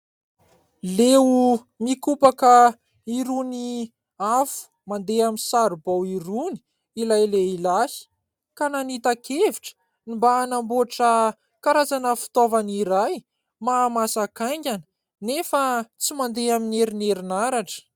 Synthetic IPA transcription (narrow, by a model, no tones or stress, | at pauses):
leu | mikupakə | iɾuni | afu̥ | mand̪eaminsaɾubawiɾuni̥ | ilajleilasi̥ | kananit̪akʰeviʈ͡ʂə̥ | nimbaːnamboʈ͡ʂə | kaɾazanəfi̥t̪ovaniɾaj | maːmasakajɲɡʲanə̥ | nefət͡simand̪eamineɾineɾinaɾaʈ͡ʂə̥